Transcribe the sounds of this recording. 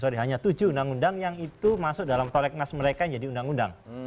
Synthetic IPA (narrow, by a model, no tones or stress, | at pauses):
soɾiɦaɲat̪ud͡ʒuundaŋundaŋjaŋit̪umasʊk̚dalampɔlɛk̚nasməɾekaɲd͡ʒadiundaŋunda̰ŋ